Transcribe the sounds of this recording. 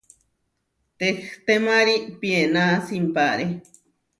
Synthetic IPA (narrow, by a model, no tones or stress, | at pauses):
t̪ext̪emaɾipienasimpaɾe